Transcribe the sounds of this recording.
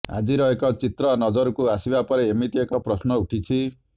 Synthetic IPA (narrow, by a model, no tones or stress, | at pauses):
a̰d͡ʒiɾɔekɔt͡ʃit̪ɾɔnɔd͡ʒɔɾɔkuasibapɔɾeːmit̪iekɔpɾɔsnɔuʈʰit͡ʃʰi